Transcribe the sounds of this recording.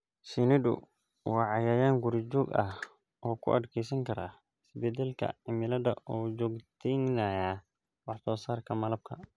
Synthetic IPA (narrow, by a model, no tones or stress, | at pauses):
sinɪd̪ʊ̰ | wɑːʕɑjaːjaːŋɡʊɾd͡ʒɔːɡɐ̰h | ʔɔːkʰʊ̰ʔɐd̪kʰɛjs̬ɐŋkʰɐɾaː | ɪsbɛd̪ɛlkʰɐ̰ʕɪmɪlɐdɐ̰ʔud͡ʒɔːɡt̪ʰɛnaːjaː | wɑħsɔːsaːrkʰɐmɐlɐb̚kʰɐ̰